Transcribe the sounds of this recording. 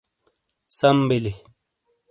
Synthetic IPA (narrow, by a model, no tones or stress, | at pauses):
sambele